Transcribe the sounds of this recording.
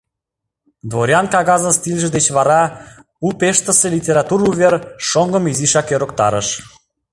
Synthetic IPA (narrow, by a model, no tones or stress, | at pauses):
d̪voɾʲɑnkɑɣɑzə̆nst̪ilʲʒə̆d̪et͡ɕβɑɾɑ | upeʃt̪ə̆selʲitʲeɾɑt̪uɾuβʲerʃoŋɡə̆miziʃɑkøɾok̚t̪ɑ̰ɾəʃ